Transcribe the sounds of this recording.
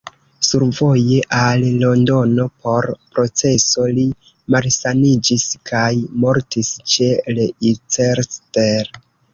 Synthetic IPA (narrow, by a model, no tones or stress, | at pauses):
suɾvo̞je̞ʔallo̞ndo̞no̞pʰo̞ɾpɾo̞t͡se̞so̞li | malsanid͡ʒiskʰajmo̞ɾtist͡ʃe̞leit͡seɾsteɾ